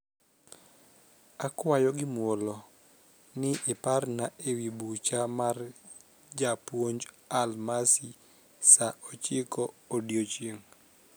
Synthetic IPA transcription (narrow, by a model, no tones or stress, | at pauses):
akwajɔɡɪmwolo | nɪʔɪparnaʔewibut͡ʃamar | d͡ʒapwoɲd͡ʒ | almasi | saʔot͡ʃɪkɔːdjot͡ʃeŋ